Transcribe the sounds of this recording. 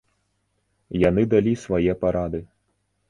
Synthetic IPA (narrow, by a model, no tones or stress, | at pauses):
jan̪ɨd̪alʲisvajɛpaɾad̪ɨ